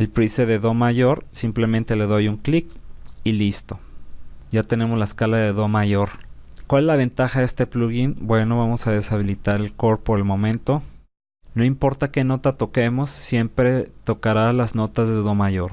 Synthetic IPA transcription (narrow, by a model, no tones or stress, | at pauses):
e̞lpɾiseðeðo̞maʝo̞ɾsimple̞mẽnt̪e̞le̞ðojuŋklikilist̪o̞ɟ͡ʝat̪e̞ne̞mozlaeskalaðe̞ðo̞maʝo̞ɾkwalezlaβ̞e̞nt̪axaðe̞st̪e̞pluɣinbwe̞no̞βamo̞saðe̞saβ̞ilit̪aɾe̞lko̞ɾpo̞ɾe̞lmõ̞mẽ̞nt̪o̞ | no̞impo̞ɾt̪ake̞no̞t̪at̪o̞ke̞mo̞sːje̞mpɾe̞t̪o̞kaɾalazno̞t̪azðeðo̞maʝo̞ɾ